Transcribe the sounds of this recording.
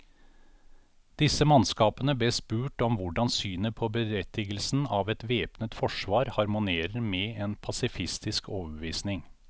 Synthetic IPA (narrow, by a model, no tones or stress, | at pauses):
d̪̥ɪsəmɑnskɑːpənəbleːspʉːʈɔmʋʊɖɑnsyːnəpʰɔːbəɾɛt̪ʰɪɡəlsn̩ɑːʋɛt̪ʋeːpnət̪fɔʂʋɑːɾhɑɾmʊneːɾəɾmɛːeːnpʰɑsɪfɪst̪ɪskoːʋəbʋiːsnɪŋ